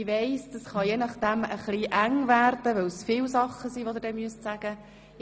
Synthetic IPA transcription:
ʋeɪsd̥ɑsχɑjenɑχd̥̪ɛməχliʔæŋvæːɾd̥əʋœwsfɪwsɑχːəsiːʋod̪əɾdɛmyəstsæɡ̥ə

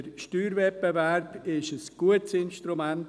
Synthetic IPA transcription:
əɾʃtyːɾvɛp̚bevɛɾbɪʃəsɡ̥uətsɪnʃtɾumɛnt

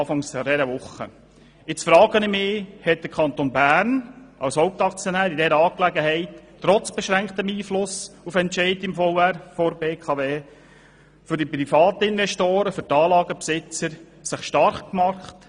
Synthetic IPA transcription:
fɑŋsɔdɛɾəʋʊχə̰ | ɪt͡sfɾɑːɡənɪmɪːhɛt̚d̥̪əɾkʰɑnt̪onbæːɾnɑwshoʊp̚t̪ɑkt͡sjɔnæːɾidɛɾəɑːklæɡəɦɛɪtː | ɾɔt͡sb̥ɛʃɾæŋkt̪əmiːflʊsufɛntʃɛɪtɪmfɔʊæɾfɔɾbeːkʰɑːʋeː | fʏɾdipɾifɑːt̪əɪnʋɛʃtoːɾəfʏɾtɑːlɑːɡəpsɪt͡səɾ | sɪχʃtɑɾχkmɑχt

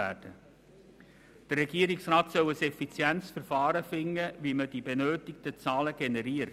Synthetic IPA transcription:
æ̰ːd̥ə | d̥ərːɛɡiːəɾɪksrɑːtsœwəsɛfit͡sjɛnsfəɾfɑːɾəfɪŋːəviməd̥ibenøːtɪktət͡sɑːləɡ̥enɛɾiːəɾ

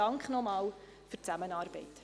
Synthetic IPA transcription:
ɑŋkχnɔmɑːl | fyrt͡sæmənɑːrbɛɪt

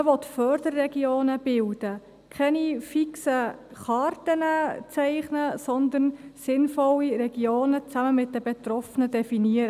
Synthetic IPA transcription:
əʋɔt̪fœɾdərːɛɡioːnəb̥ɪld̥ə | kʰɛnifiksəχɑːrtənət͡sɛɪχnəsɔnd̪ənsɪnfɔlːiɾɛɡ̥ioːnət͡sæməmɪt̚dəbet̪rɔfənədɛfiniəɾə

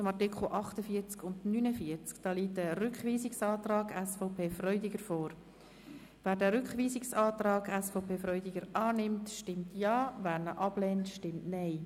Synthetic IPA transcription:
t͡sʊmɑʁtɪkʰl̩ʔɑχtəfiət͡skʊndnynəfiət͡skd̥ɑːliːtəɾʏkχʋiːsɪksɑːtrɑːɡæsfɔʊpʰeːfrœʏdɪɡəɾfoːɾ | væːɾdæːɾʏkχʋiːsɪksɑːtrɑːɡæsfɔpʰeːfɾœʏdɪɡəɾʔɑːnɪmtʃtɪmtʰjɑːvæːɾnəʔɑb̥lɛːntʃtɪmtnɛɪ

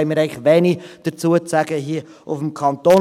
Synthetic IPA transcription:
ɪmɪːɾɛɪɡŋlχʋɛnid̥ət͡suːət͡sæɡəɦiə | ʊfm̩kʰɑnt̪oː

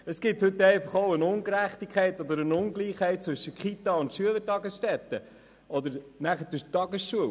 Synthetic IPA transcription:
əsɡ̥ɪthɵt̪ɛɪfɑχoʊənʊnɡəɾæχt̪ikʰɛɪtɔd̪əɾənʊŋɡliːχhɛɪt̚t͡sʋɵʃəkχit̪ɑʊnt̪ʃyələɾtɑɡəsʃtɛt̪ːə | ɔd̪əɾnæχətətɑɡəsʃuəw

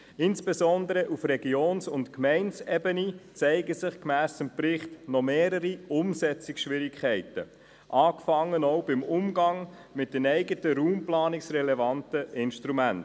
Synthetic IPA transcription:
ɪnsb̥ezɔnd̪əɾəʔufrɛɡioːnsʊntkmɛɪnsɛbənit͡sɛɪɡəsɪχkmæːsəmprɪχtnɔmeːɾəɾiʊmsɛt͡sɪksʃʋɪɾɪkʰχɛɪtə | ʔɑːkfɑŋːənɔʊbɪmʊmɡɑŋ | mɪt̚dənɛɪɡətəɾuːmplɑːnɪksrɛlɛvɑntəʔɪnʃtɾumænt

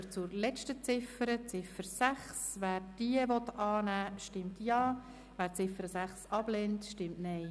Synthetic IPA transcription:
t͡sʊɾlɛt͡ʃtət͡sɪfəɾət͡sɪfəɾsæχsvæːɾd̥iəvɔt̪ɑːnæːʃtɪmtjɑː | væːɾt͡sɪfəɾəsæχsɑb̥lɛntʃtɪmtnɛj

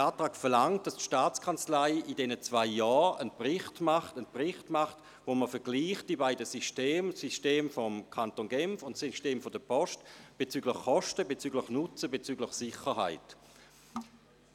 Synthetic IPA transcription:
aːtʁaːkfɛɐlaŋt̚d̥astʃtaːt͡skʰant͡slaɪidɛnət͡svaɪjɔːənpʁɪχtmaχtənpʁɪχtmaχt | voməfɛɐɡ̥liːχt̚d̥ibaɪdəsiʃteːmsisteːmfɔmkʰantonɡɛmfʊntsiʃteːmfɔdəpʰɔʃtb̥et͡syːɡlɪχkɔʃtəbet͡syːɡlɪχnʊt͡səbet͡syːɡləχsɪχəɦa̰ɪt

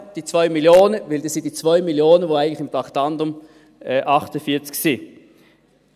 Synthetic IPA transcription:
d̥iːt͡svaʏmiljoːnəvɪldɑsɪntd̥it͡sv̥aʏmiljoːnənvoæɪɡətlɪxɪmtʁɑχtɑndʊm | ɛʔɑχtəfiːɐt͡sksi

